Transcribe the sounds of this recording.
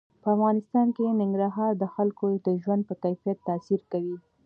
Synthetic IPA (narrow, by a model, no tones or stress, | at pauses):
pəafɣɑnɪst̪ɑnkenɪŋɡɾɑɦɑɾd̪əxalkod̪əʒwand̪̚pəkajfijat̪ːasiɾkawi